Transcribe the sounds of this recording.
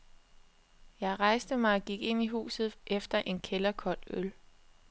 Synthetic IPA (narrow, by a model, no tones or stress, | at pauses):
jɑ̈ɪʁɑ̈ɪsd̥əmɑ̈ɪɒ̽ɡ̥iɡ̥e̝n̰iɦṵːsð̩ˠʔefd̥ɐʔe̝nkʰelɐkʰɒd̥øl